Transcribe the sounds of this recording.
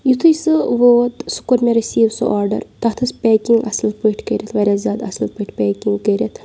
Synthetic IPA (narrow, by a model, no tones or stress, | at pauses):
jit̪ʰɨjsɨʋoːt̪su̥kuɾmeɾisiːʋsɨ̰ʔaːɾɖɐ̰ɾt̪ɐt̪ʰɐspʲɛːkiŋɡɐ̰slpəʈʰkəɾʲɐt̪ʰʋɐɾʲazʲaːd̪ɐ̰slpɨʈʰpɛːkiŋɡkəɾʲɐt̪ʰ